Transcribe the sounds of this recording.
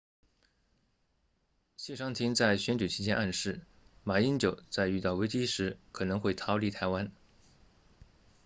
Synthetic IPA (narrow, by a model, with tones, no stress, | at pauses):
ɕjɛ˥˩ʂɑ˥ŋt̪ʰi˧˥ŋt͡sa˥˩ɪɕɥɛ˧˥nt͡ɕy˨˩t͡ɕʰi˧˥t͡ɕjɛ˥nʔa˥˧nʂɻ̩˥˩ | ma˨˩i˥nt͡ɕjo˨˩ʊt͡sa˥˧ɪy˥˧t̪ɑ˥˩ʊwe˥ɪt͡ɕi˥ʂɻ̩˧˥kʰɤ˨˩nɤ˧˥ŋxwe˥˩ɪt̪ʰɑ˥ʊli˧˥˩t̪ʰa˧˥ɪwa˥n